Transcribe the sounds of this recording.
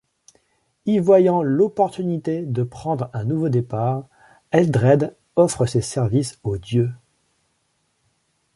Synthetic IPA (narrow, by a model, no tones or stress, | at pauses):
ivwajɑ̃lɔpɔʁt̪ynit̪ed̪əpχɑ̃d̪ʁɛ̃nuvod̪epaʁ | ɛld̪ʁɛd̪ | ɔfχəsesɛʁvisod̪jø